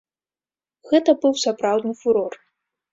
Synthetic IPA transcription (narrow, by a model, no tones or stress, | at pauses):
ɣɛt̪ɐbɨwsapɾawd̪nɨfuɾɔr